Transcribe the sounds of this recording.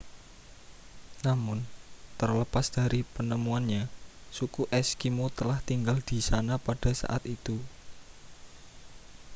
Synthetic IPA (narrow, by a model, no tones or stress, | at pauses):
namʊnt̪ərləpasd̪̥a̤ɾipənəmuanɲasukuʔɛskimot̪əlaht̪iŋɡald̪̥i̤sanapad̥a̤sa̰ʔa̰t̪it̪u